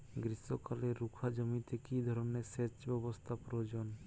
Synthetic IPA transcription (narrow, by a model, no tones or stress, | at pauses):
ɡɾisɔkaleːukʰad͡ʒɔmit̪ekid̪ʱɔɾɔneseɾt͡ʃbɔbost̪ʰapɾood͡ʒon